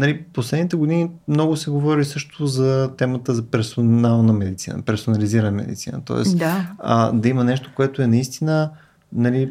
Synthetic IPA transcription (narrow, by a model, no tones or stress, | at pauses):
nɐliposlɛd̪nit̪ɛɡod̪inimnɔɡʊsɛɡovɔɾisɤʃt̪ozɐt̪ɛmət̪əzɐpɛɾsonalˠnəmɛd̪it̪sḭnə̰pɛɾsonɐliziɾənəmɛ̰d̪ḭt̪sḭnə̰t̪ɔ̰ɛ̰sd̪aə̰d̪ɐimənɛʃt̪o̥koɛt̪oɛnɐist̪inə | nɐli